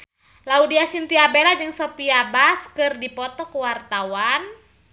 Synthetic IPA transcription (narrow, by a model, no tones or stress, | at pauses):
laudiasint̪iabelad͡ʒɨŋsopiabaskɨrdipɔt̪ɔkuwart̪awan